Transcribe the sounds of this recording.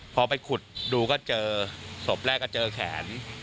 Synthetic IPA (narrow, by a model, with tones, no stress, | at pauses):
pʰɔː˧pa˧jkʰu˨˩t̪̚duː˧kɔː˥˩t͡ɕɤː˧so˨˩p̚ɾɛː˥˩kːɔː˥˩t͡ɕɤː˧kʰɛ̰ː˩˦n